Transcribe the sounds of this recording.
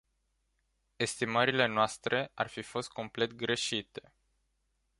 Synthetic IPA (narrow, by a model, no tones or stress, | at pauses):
e̞st̪iməɾile̞noast̪ɾe̞a̰rfifo̞st̪̚ko̞mple̞t̪̚ɡɾe̞ʃit̪e̞̥